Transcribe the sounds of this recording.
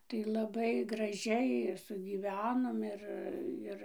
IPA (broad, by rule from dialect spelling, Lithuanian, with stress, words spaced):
tɐɪ lˠɐˈbɐɪ ɡrɐˈʒʲɛɪ ɪr sʊɡʲiːˈʋʲæːnoːm ˈɪr ˈɪr